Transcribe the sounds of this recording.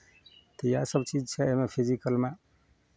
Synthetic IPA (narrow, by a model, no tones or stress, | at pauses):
t̪əjasəbt͡ʃid͡ʒt͡ʃʰɛemepʰizikəlme